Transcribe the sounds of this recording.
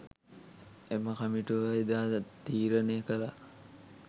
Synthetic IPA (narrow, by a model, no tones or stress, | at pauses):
eməkamiʈuʋaid̪aːt̪iːɾəneəkəla